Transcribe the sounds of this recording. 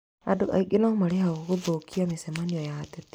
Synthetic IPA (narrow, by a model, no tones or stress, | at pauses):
adoʔa̰iɡenaomaɾeɦaoɣoðokʰiamesɛmaniɔjatɛt